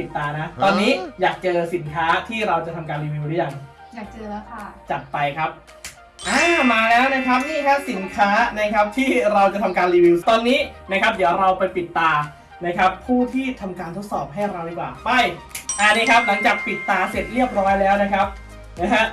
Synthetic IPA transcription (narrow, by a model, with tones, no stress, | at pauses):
i˨˩t̪ːaː˧na˦˥t̪ɔː˧nːiː˦˥jaː˨˩k̚t͡ɕɤː˧si˩˦nkʰaː˦˥t̪ʰiː˥˩ɾa˧wt͡ɕa˨˩t̪ʰa˧mkaː˧nɾiː˧wiː˧wdɯ˦˥ja˨˩ŋ | jaː˨˩k̚t͡ɕɤː˧˦˥a˥˩t͡ɕa˨˩t̪̚pa˧jkʰa˦˥p̚ | ʔaː˧˩maː˧lɛː˦˥wna˦˥kʰa˦˥p̚niː˥˩kʰa˦˥si˨˩˦nkʰaː˦˥na˦˥kʰa˦˥p̚t̪ʰiː˥˩ɾa˧wt͡ɕa˨˩t̪ʰa˧mkaː˧nliː˧wi˧wt̪ɔː˧nːiː˦˥na˦˥kʰa˦˥p̚diː˨˩˦ə˦wɾa˧wpa˧jpi˨˩t̪ːaː˧ | na˦˥kʰa˦˥pʰːuː˥˩t̪ʰiː˥˩t̪ʰa˧mkaː˧nt̪ʰo˦˥t̪̚sɔː˨˩p̚ɦa˥˩jɾa˧wdiː˨˧˩kwaː˨˩pa˥˩jʔa˨˩niː˦˥˩kʰa˦˥p̚la˩˦ŋt͡ɕaː˨˩k̚pi˨˩t̪ːaː˧se˨˩t̪̚ɾi˥˩əp̚ɾɔː˦˥jlɛː˦˥wna˦˥kʰa˦˥p̚ | na˦˥kʰa˦˥ʔ